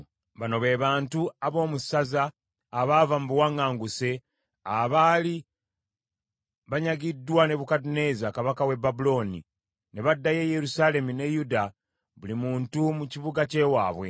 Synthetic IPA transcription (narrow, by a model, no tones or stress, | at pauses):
βano̞βe̞ːβaːntuaβo̞ːmusazaː | βaːvamubuwaŋːaːŋɡuse̞ | aβaːli | βaɲaɡidːwane̞βukadune̞zakaβakawe̞babulo̞ːnḭ | ne̞βadːaje̞je̞ɾusale̞mune̞juda | βulimuːntumuciβuɡace̞waːβwe̞̰